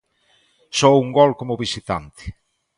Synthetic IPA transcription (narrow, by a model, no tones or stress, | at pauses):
sɔuŋɡɔlkomʊβisit̪ant̪ɪ̥